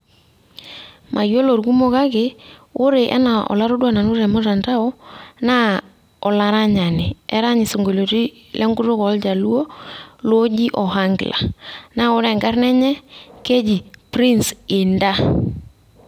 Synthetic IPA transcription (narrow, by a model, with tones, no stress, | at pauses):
mʔa˨jo˦lo˨ɾɡu˦mo˦ka˦ke˨o˦ɾe˨ʔɛ̰˦na˨ʔɔ̰˨la˦ɾo˦dwa˦na˨nʊ˦ɾɛ˨mo˦ta˨nta˦ɔ˦na˦ | ɔ˨la˨ɾa˦ɲa˨nɪ˨ɛ˦ɾa˦ɲɪ˨so˨ŋɡo˨lo˨ti˦ | lʔɛ˦ŋɡʊ˦ro˦kɔ˨˦ld͡ʒa˨lu˦o˦lo˦d͡ʒi˦ʔɔ˨ɦa˦ŋɡla̰˨na˦o˦ɾɛ˨ŋɡa˦rnɛ˦ɲɛ˦ke˦d͡ʒi˨pɾi˦nsɪ˨nda˦